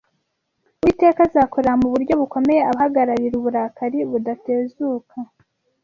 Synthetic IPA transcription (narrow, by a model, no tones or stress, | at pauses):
wiːte̞ːkazaːkoɾamuβuɾɟo̞βuko̞me̞je̞aβahaɡaɾaɾiɾuβuɾaːkaɾiβudate̞ːzuːkʰa